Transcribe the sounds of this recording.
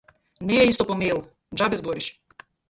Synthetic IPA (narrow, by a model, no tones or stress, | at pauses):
nɛɛist̪ɔpɔmelˠ | d͡ʒabɛzbɔɾiʃ